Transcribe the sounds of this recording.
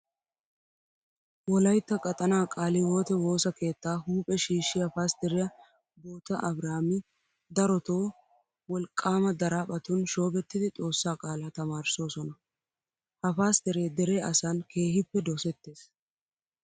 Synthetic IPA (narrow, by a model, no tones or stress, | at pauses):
wɔlɐjt̪ːɐkʼɐt̪ʼɐnaːkʼaːlɪwoːt̪ɛwo̞ːsɐke̞ːt̪ːaːɦuːpʼɛʃiːʃːɪjɐfaːst̪ɛɾɪjɐ | boːt̪ɐʔɐbɾaːmɪ | d̪ɐɾɔt̪oː | wɔlkʼːaːmɐd̪ɐɾaːpʼɐt̪ʊnʃo̞ːbɛt̪ːɪd̪ɪt͡sʼo̞ːsːaːkʼaːlat̪ɐmaːɾso̞ːsɔnɐ | hɐfaːst̪ɛɾeːd̪ɛɾeːɐsanke̞ːhɪpːɛd̪ɔsɛt̪ːe̞ːs